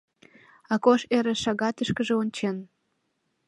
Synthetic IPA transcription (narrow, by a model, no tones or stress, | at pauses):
ɑkoʃeɾĕʃɑɣɑt̪əʃkə̆ʒeonʲt͡ɕen